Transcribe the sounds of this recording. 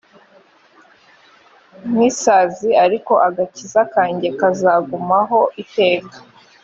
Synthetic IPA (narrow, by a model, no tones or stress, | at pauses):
mwiːsaːziaɾiko̞ʔaɡacizakaːɲɟe̞kazaɡumaɦo̞ʔite̞ːkḁ